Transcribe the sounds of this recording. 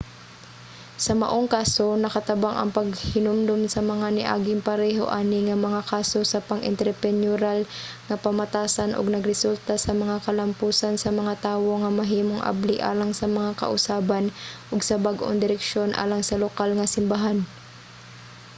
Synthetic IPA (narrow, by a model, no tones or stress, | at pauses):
sɐmɐ̰ʔoŋkaːsonɐkɐt̪ɐbaŋʔɐ̰ŋpɐɡhɪnʊmd̪omsɐmɐŋanɪʔa̰ːɡɪŋpɐɾɛːɦo̞̰ʔaːnɪŋɐmɐŋakaːsosɐpɐŋʔɪ̰nt̪ɛɾpɛnjuɾal | ŋɐpɐmɐt̪aːsanʔo̰ɡ̚nɐɡɾɛsult̪asɐmɐŋakɐlɐmpuːsansɐmɐŋat̪aːwo̞ŋɐmɐɦiːmoŋʔa̰bliʔa̰ːlaŋsɐmɐŋakɐ̰ʔʊsaːbanʔoɡsɐbaɡʔo̰ŋd̪ɪɾɛkʃo̞nʔa̰ːlaŋsɐlokalŋɐsɪmbaɦan